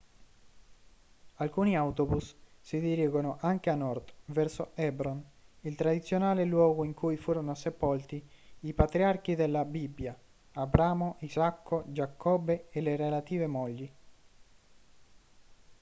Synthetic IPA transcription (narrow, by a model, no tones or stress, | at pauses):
alkuːniawt̪obusːid̪iɾiːɡonoʔaŋk̟eanːɔrt̪vɛrsoɛbɾonilt̪ɾad̪it̪sːjonaːlelwɔːɡoiŋkujfuːɾonosepɔlt̪iːpat̪ɾiark̟id̪elːabibːja | abɾaːmoʔizakːod͡ʒakʰːɔbːeelerelat̪iːvemɔʎːi